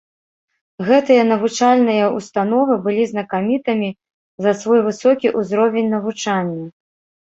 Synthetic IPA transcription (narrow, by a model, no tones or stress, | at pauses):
ɣɛt̪ɨjɐnɐvut͡ʂalʲnɨjɐust̪anɔvɨbɨlʲiznɐkamʲit̪ɐmʲi | zɐsvɔjvɨsɔkʲiʔuzɾɔvʲenʲnɐvut͡ʂanʲːɐ